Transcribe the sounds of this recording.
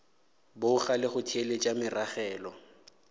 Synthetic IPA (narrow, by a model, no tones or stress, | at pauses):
bʊʊχalɪχʊtʰelet͡ʃʼamɪraχɛːlɔ